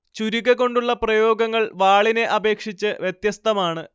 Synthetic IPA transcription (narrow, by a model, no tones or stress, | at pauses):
t͡ɕuɾiɣɐkːo̞ɳɖuɭːɐprɐjo̞ːɡɐŋːɐɭʋaːɭine̞ʔɐbe̞ːkʂit͡ɕːɨʋjet̪jɐst̪ɐmaːɳɨ